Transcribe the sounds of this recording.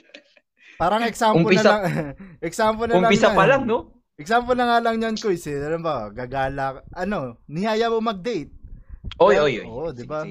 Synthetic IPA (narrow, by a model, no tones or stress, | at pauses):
paːɾɐŋɛksaːmʊpmoɪnɐaŋʔɛksaːmpolnɐʊmɐpɪsapɐlaŋno | ʔɛk̚saːmpolnɐŋaːlɐŋɲankojsɪɐlɐmbɐɡaɡaːlakʔɐno̞nɪhaːjɐmomɐɡ̚d̪ɛjt̪̚ʔojojʔo̰jod̪ɪba